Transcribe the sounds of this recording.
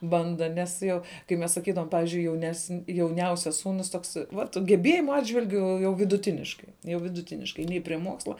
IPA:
ˈbɐndɐ nʲɛs ˈjoː kɐɪ ˈmʲɛs sɐˈkʲiːdɐʋoːm ˈpɑːʋʲiːzʲd͡ʒʲʊɪ jɛʊnʲɛsn jɛʊˈnʲɛʊsʲɛs ˈsuːnʊs ˈtoːks ˈʋɐt ɡʲɛˈbʲeːjɪmʊ ˈɑːdʲʒʲʋʲɪlʲɡʲʊ ˈjɛʊ ʋʲɪdʊˈtʲɪnʲɪʃkɐɪ jɛʊ ʋʲɪdʊˈtʲɪnʲɪʃkɐɪ ˈnʲɛɪ pʲrʲiɛ ˈmuɔkslˠɐ

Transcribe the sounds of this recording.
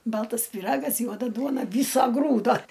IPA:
ˈbɐlˠtɐs pʲiːˈrɑːɡɐs ˈjuɔdɐ ˈduɔnɐ ˈʋʲiːsoː ˈɡruːdoː

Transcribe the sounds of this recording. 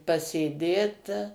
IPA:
pɐsʲeːˈdʲeːt

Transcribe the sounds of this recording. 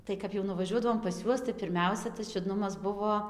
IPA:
ˈtɐɪ kɐp jɛʊ nʊʋɐˈʒʲuɔdɐʋoːm pɐs ˈjuɔs tɐɪ pʲɪrʲˈmʲɛʊsʲɛ tɐs t͡ʃʲʊˈdnʊmɐs ˈbʊʋoː

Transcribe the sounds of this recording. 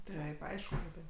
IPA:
ˈtɐɪp ˈɐɪʃkʊ kɐt ˈtɐɪp

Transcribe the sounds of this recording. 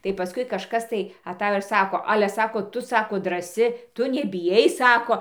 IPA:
tɐɪ pɐˈskʊɪ kɐʃˈkɐs tɐɪ ɐˈtɑːjoː ɪr ˈsɑːkoː ˈɑːlʲɛ ˈsɑːkoː ˈtʊ ˈsɑːkoː drɐˈsʲɪ ˈtʊ nʲɛbʲɪˈjɛɪ ˈsɑːkoː

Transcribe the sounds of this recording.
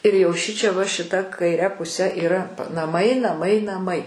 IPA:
ɪr jɛʊ ˈʃʲɪt͡ʃʲɛ ʋɐ ʃʲɪˈtɐ kɐɪˈrʲɛ pʊˈsʲɛ iːˈrɐ nɐˈmɐɪ nɐˈmɐɪ nɐˈmɐɪ

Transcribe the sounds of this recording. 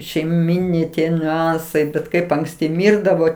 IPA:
ʃʲɛɪˈmʲɪnʲɛɪ ˈtʲiɛ nʲʊˈɐnsɐɪ bʲɛt ˈkɐɪp ɐŋkˈsʲtʲɪ ˈmʲiːrdɐʋoː

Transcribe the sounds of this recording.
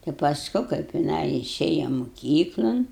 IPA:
tɐɪ pɐsˈkʊ kɐɪp jɪˈnɐɪ ɪˈʃʲeːjɛ moːˈkʲiːklˠɐn

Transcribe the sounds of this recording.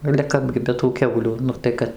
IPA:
ɐlʲɛ ˈkɑːbʲɡʲɪ bʲɛ tuː ˈkʲɛʊlʲuː ˈnʊ tɐɪ ˈkɐt

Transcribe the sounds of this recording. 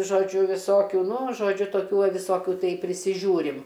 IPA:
ʒoːˈd͡ʒʲʊ ʋʲɪˈsoːkʲuː ˈnʊ ʒoːˈd͡ʒʲʊ toːˈkʲuː ˈʋɐ ʋʲɪˈsoːkʲʊ ˈtɐɪ pʲrʲɪsʲɪˈʒʲuːrʲɪm

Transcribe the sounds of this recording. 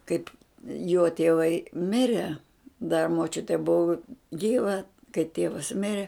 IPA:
ˈkɐɪp joː tʲiɛˈʋɐɪ ˈmʲɪrʲɛ dɐ moːˈt͡ʃʲʊtʲɛ ˈbʊʋʊ ˈɡʲiːʋɐ kɐɪ ˈtʲiɛʋɐs ˈmʲɪrʲɛ

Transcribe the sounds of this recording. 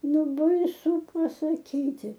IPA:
ˈnʊ bɐɪˈsʊ pɐsɐˈkʲiːtʲɪ

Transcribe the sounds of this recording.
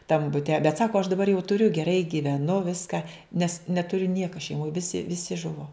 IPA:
tɐm bʊˈtʲɛ bʲɛt ˈsɑːkoː ɐʃ dɐˈbɐr jɛʊ tʊˈrʲʊ ɡʲɛˈrɐɪ ɡʲiːʋʲɛˈnʊ ˈʋʲɪskɐ nʲɛs nʲɛtʊˈrʲʊ ˈnʲiɛkɐ ʃʲɛɪˈmoːj ˈʋʲɪsʲɪ ˈʋʲɪsʲɪ ˈʒʊʋoː

